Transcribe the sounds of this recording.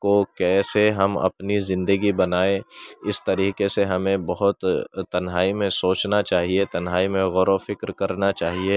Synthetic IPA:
kokɛːseɦɐmɐ̰pnizɪ̃nd̪əɡibɐnaːẽɪst̪ɐɾiːqeseɦɐmẽbɐɦʊt̪t̪ːɐnɦaːimẽsoːt͡ʃnat͡ʃaːɦiet̪ɐnɦaːimẽɣɔɾofɪkɾkɐɾnat͡ʃaːɦie

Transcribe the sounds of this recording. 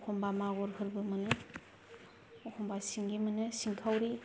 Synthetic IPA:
ɔkʰɔmbamaɡɔɾɦɯɾbɯmɐnɯ | ɔkʰɔmbasiŋɡimɐnɯsiŋkʰawɾi

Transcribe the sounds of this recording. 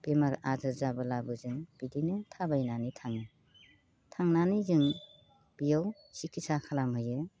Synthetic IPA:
b̥emaɾazɯɾzabɯlabɯzɯŋb̥idinɯtʰabajnanitʰaŋnɯ | tʰaŋnanizɯŋ | b̥ijaw | sikʰisakʰalamɦɯjɯ

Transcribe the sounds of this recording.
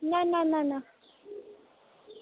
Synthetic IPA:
nananana

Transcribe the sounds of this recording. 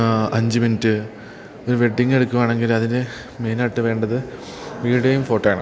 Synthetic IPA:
ɐɲd͡ʑimentːɨ | oɾuʋe̞ɖːiŋːe̞ɽukːuʋaːɳe̞ŋɡilɐðinde | me̞ːnaːʈːɨʋe̞ːɳɖɐðɨ | ʋiːɽejumfo̞ːʈːaːɳɐ̰

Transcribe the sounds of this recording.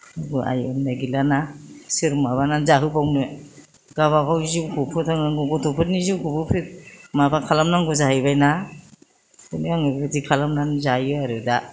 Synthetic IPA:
aɡɯʔa̰jɯmdaɡilanasiɾmaβananzaɦɯbawnɯ | ɡ̥aβakʰawziwkʰupʰɯtʰaŋnaŋɡɔɡɔtʰupʰɯt̚niziwkubɯpʰit̚mabakʰalamnaŋɡuzahɯbajna | ɯniaŋɯɡɯdikʰalamnanzajɯaɾɯda

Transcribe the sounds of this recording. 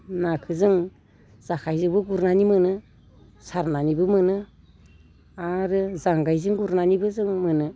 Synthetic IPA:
nakʰɯzɯŋ | z̥akʰajzɯŋbɯɡuɾnanimɯnɯ | saɾnanibɯmɯnɯ | aɾɯzaŋɡajzɯŋɡuɾnanibɯzɯŋmɯnɯ

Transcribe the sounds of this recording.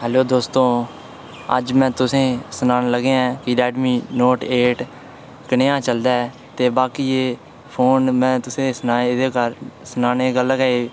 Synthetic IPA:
ɦɛːloːd̪oːst̪õː | ə̰d͡ʒmɛ̃ːt̪ʊsẽːsənaːnləɡeɛ̃ːkiɾɛːɖmiːnoːʈeːʈ | kənejãːt͡ʃəld̪aːɛ | t̪eːbaːkiːeː | pʰoːnmɛ̃ːt̪ʊsẽːsənaːed̪eːkəɾsənaːneːɡəlːɡaeː

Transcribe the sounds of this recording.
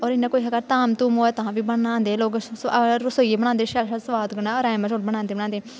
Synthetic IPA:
ɔːɾɪnːãːkoːiːɦəɡəɾt̪aːmt̪uːmoːɛːt̪ʊɦãːʋiːbəɳãːnd̪eːloːɡɾʊsoːiːebəɽ̃ãːnd̪eːʃɛːlʃasʋaːd̪ɡəɽaːɔːɾaːmãːt͡ʃoːʈbəɽaːnd̪eːbɽ̃aːnd̪eː

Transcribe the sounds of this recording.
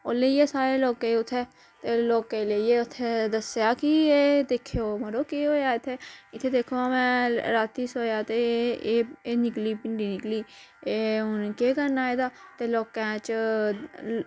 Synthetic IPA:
oːleːieːsaːɾeːloːkeʊt̪ʰːeː | t̪eːloːkeleieːʊt̪ʰːed̪əsjaːkieːd̪eːkʰːjoːməɾoːkeːɦoːjaːɪt̪ʰːeːɪt̪ʰːeːd̪eːkʰoaːmɛ̃ːɾaːt̪ːiːsoːjaːt̪eː | enɪkliːpɪɳɖiːnɪkliː | eʊnkeːkəɾnaːed̪aːt̪eːloːkɛ̃ːt͡ʃ

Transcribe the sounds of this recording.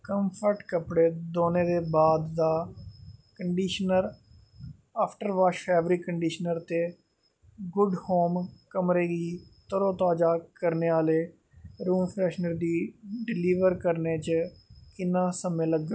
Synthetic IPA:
kəmpʰəɾʈkəpɽeːd̪oːneːd̪eːbaːd̪ːaː | kəɳɖiːʃnəɾ | aːpʰʈəɾʋaːʃpʰɛːbɾiːkəɳɖiːʃnəɾt̪eː | ɡʊɖhoːmkəmɾeːɡiːt̪əɾõːt̪aːd͡ʒaːkəɾneːaːleː | ɾuːmpʰɾɛːʃnəɾd̪iːɖɪliːʋəɾkəɾneːt͡ʃkɪnːãːsəmẽːləɡ

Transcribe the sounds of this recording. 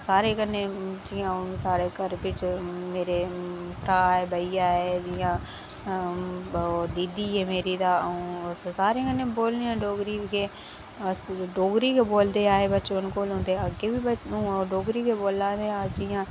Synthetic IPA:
saːɾekəned͡ʒiːãsaːɾekəɾpɪt͡ʃmeːɾepʰɾaːɦeːbɐiaːɦeːd͡ʒiːã | d̪iːd̪iɦeːmeːɾit̪ãː | saːɾekəneboːliãːɖoːɡɾikʰeː | ɖoːɡɾikʰeboːld̪eaːɦebɐːt͡ʃːənkoːlʊ̃ːnd̪eɐɡebʱibəũːoɖoːɡɾikʰeboːlãːd̪eaːɦed͡ʒiːãː

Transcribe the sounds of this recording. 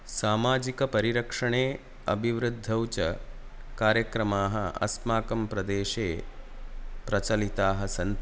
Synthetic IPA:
saːmaːd͡ʒikɐpɐɾiɾɐkʂɐɳ̃eː | ɐ̰bʱiʋɾɨd̪ʱːɐwt͡ʃɐ | kaːɾjɐkɾɐmaːɦɐɐ̰smaːkɐmpɾɐd̪eːʃeː | pɾɐt͡ʃɐlit̪aːɦɐsɐnt̪

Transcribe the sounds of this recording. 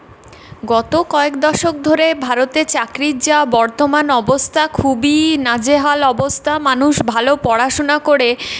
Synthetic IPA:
ɡɔt̪okɔekd̪ɔʃok̚d̪ʱoɾebʱaɾot̪eɾt͡ɕakɾid͡ʑabɔɾt̪omanɔbost̪ʰakʰubinad͡ʑeɦalɔbost̪ʰamanuʃbʱalopɔɽaʃonakoɽe

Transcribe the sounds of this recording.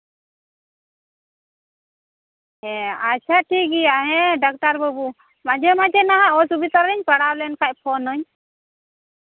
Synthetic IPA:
ɛat͡ʃʰaʈiɡijaʔɦɛ̃ɖak̚ʈaɾbəbu | mad͡ʒɛmad͡ʒɛnaɦaʔɔsubit̪ɔɾɛɲpəɽawlɛnkʰac̚pʰɔnɔɲ

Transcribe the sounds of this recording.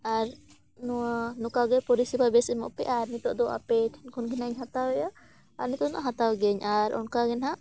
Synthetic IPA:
aɾ | nɔwanɔkaɡɛpɔɾisibabɛsɛmɔ̰ʔpɛʔaɾnit̪ɔʔd̪ɔʔa̰pɛʈʰɛnkʰɔnɡɛnaɲɦat̪awɛja | a̰ɾnit̪ɔnaʔaɦat̪awɡɛɲaɾɔ̰nkaɡɛnɦaʔ

